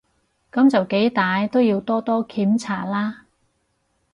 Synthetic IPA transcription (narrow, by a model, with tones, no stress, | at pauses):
kɐ˨˥mt͡sɐ˨wke˨˥jt̪aː˨˧jt̪o˥wjiː˧wt̪ɔː˥t̪ɔː˥kʰiː˨˥mt͡sʰa̰ː˨˩laː˥